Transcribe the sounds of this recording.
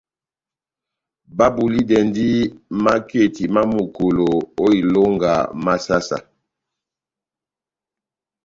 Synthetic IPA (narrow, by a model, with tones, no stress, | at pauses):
ba˦bu˨li˦dɛ˨ndi˦ma˦ke˦˨ti˨ma˦mu˨ko˨lo˨o˦i˨lo˦ŋɡa̰˨ma˦sa˦sa̰˨